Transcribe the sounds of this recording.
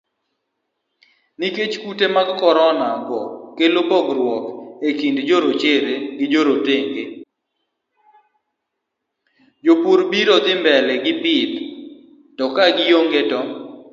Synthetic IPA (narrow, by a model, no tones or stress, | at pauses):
niket͡ʃkutemaɡkɔɾɔnaɡɔkelobɔɡɾwɔkekindd͡ʒoɾot͡ʃeɾeɡɪd͡ʒoɾoteŋɡe | d͡ʒopuɾbiɾɔd̪ɪmbɛlɛɡɪpɪt̪ | tɔkaɡɪjoŋɡetɔ